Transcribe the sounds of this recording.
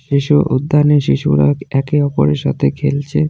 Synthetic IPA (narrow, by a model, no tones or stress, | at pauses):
ʃiʃuʔud̪ʱːaneʃiʃṵɾa̰ɛkeɔpo̰ɾeɾʃa̰t̪ʰekʰelt͡ɕʰe